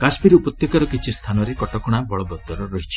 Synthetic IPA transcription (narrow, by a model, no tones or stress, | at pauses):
kasmiɾupɔt̪jɔkaɾɔkit͡ʃʰist̪ʰanɔɾekɔʈɔkuɽ̃abɔɭɔbɔt̪ːɔɾɔɾɔɦit͡ʃʰi̥